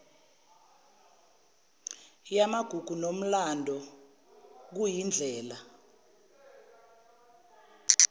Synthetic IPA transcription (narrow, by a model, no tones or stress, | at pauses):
jamaɡ̥ʱuɡ̥ʱunom̩landʱɔ | k̬ujind͡ɮʱɛːla